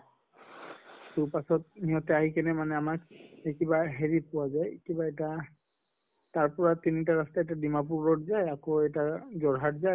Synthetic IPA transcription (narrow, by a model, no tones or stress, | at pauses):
tupasɔt̚niɦɔtɛaɦikɛnɛmanɛamakekibaɦeɹipʊwazajkibaeta | taɹpɔɹatinit̬aɹastaɛtadimap̬uɹbɔtzajakoɛtazɔɹɦatza